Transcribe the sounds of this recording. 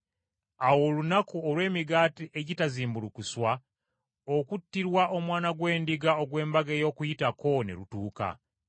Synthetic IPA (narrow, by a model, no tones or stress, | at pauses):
awo̞lunakuolwe̞ːmiɡaːtiʔe̞ɟitaziːmbulukuswa | okutːiɾwaʔo̞mwaːnaɡwe̞ːndiɡao̞ɡwe̞ːmbaɡeːjo̞ːkujitako̞nḛlutuːka̰